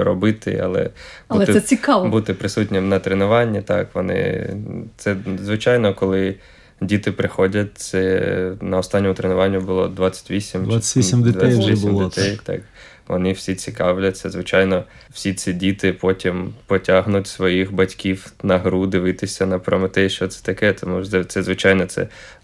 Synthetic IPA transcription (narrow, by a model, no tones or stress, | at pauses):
ɾɔbɪt̪ɪ̰ɐ̰lˠɛ̰b̪ˠɛt̪ɪsɛt͡sʲɪkɑʋbut̪ɪpɾɪsutʲnʲɪmnɐt̪ɾenʊʋɑnʲːit̪ɑ̰kʋɔnɪ̰t̪sɛzʋɪt͡ʃɑjnɔkɔlˠɪ | dʲit̪ɪpɾɪxɔdʲɐt̚ʲt̪sɛnɐɔst̪ɑnʲːɔmʊt̪ɾenʊʋɑnʲːʊbʊlˠɔ̰d̪ʋɑt͡sʲːɐ̥tʲʋʲisʲimdt͡ʃʲisʲimdʲɪd̪sʲɛtʲʋʲisimdɪt̪ɛjt̪ɑ̰k | ʋɔ̰nɪwsʲit͡sʲikɑwlʲɐt̪sɛzʋɪt͡ʃɑjnɔ | wsʲit͡sʲsʲidʲit̪ɪpɔtʲimpɔtʲaɦnʊtʲsʋɔjixbɐtʲkʲiwnɐɦɾud̪ɪʋɪt̪ɪsʲɐnɐpɾɔmɪt̪ɛjʃt͡ʃɔt̪sɛ̥t̪ɐkɛt̪ɔmuʃɛt̪sɛzʋɪt͡ʃɑjnɔt̪sɛ̰